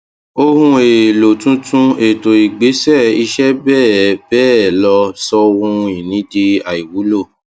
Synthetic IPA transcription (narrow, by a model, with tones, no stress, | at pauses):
o˧hũ˧e˨lo˨tũ˦tũ˧e˨to˨i˨ɡ͡be˨˦sɛ˦˨i˧ʃɛ˦bɛː˦˨bɛː˦˨lɔ˧sɔ˧wũ˧i˨nĩ˨˦de˧a˨i˨wu˨˦lo˦˨